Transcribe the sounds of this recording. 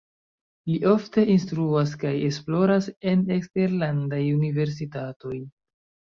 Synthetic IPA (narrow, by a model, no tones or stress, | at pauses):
liʔo̞fte̞ʔinstɾuas̬kaje̞splo̞ɾase̞nekste̞ɾlandajunive̞ɾs̬itato̞j